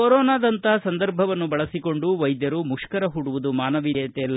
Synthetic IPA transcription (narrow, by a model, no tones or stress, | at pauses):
oɾɔːnaːd̪ɐnt̪ɐɦɐsɐnd̪ɐɾbʱɐʋɐnːubɐɭɐsiko̞ɳɖuʋɐjd̪jɐɾumuʂkɐɾɐɦuɽuʋud̪umaːnɐʋiɾɐt̪ɛɐlː